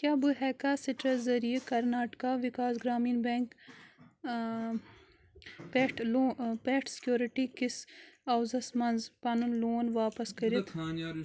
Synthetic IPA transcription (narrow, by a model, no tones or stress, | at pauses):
kjaːbɨɦɛːkasiʈɾɐzɐɾijekɐɾnaːʈkaːʋikaːsɡɾaːmiːnbeŋk | peʈloːpeːʈsi̥kjoːɾiʈikisɐwzɐsmɐnzpɐnunloːnʋaːpɐskɐɾit̪aːna